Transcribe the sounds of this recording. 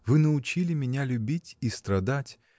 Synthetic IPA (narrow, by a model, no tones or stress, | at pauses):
vɨnəʊt͡ɕilʲɪmʲɪnʲalʲʊbʲitʲist̪ɾɐd̪atʲ